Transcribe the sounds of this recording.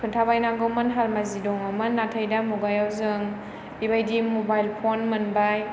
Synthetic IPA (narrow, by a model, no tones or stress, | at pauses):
kʰɯntʰabajnaŋɡɯmanɦalmazidɔŋɐmɯnːatʰəjdamuɡajawzɯŋ | bibajdimɔbajlpʰonmɯnbaj